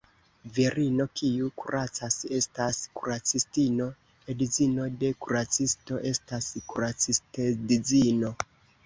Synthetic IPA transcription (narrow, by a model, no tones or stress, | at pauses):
viɾʔino̞kʰiukuɾʔat͡sase̞staskuɾat͡sistino̞ | edizino̞de̞kuɾat͡sisto̞ʔe̞staskuɾat͡sistedid͡zino̞